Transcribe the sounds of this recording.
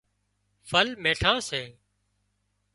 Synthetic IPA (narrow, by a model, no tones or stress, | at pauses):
fəlmeːʈʰãːseː